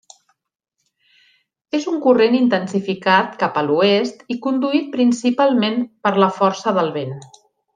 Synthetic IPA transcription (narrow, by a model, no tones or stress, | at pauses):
ezuŋkurenint̪ənsifikat̪kapəluest̪ikund̪uit̪̚pɾinsipalˠmenpəɾləfɔɾsəðəlˠβen